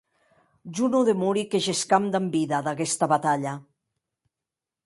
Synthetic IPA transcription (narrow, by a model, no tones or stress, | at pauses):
ʒunuðemuɾikeʒeskamd̪ambiðaðaɣɛst̪aβat̪aʎa